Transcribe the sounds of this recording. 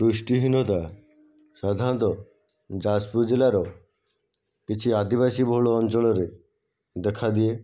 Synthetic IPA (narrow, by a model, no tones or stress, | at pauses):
ɾuʃʈiɦinot̪a | ʃad̪ʱant̪ɔ | d͡ʑaspud͡ʑelaɾo | kit͡ɕʰiad̪ibaʃibʱoɭoɔnt͡ɕoloɾe | d̪ɛkʰad̪ie